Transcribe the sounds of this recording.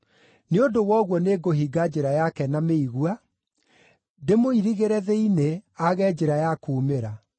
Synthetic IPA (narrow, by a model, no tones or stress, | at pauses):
neodowɔɣwɔneːɡoɦiɡad͡ʑeɾajakɛnameiɣua | demoiɾiɣeɾɛðɛineaɣɛd͡ʑeɾajakuːmeɾa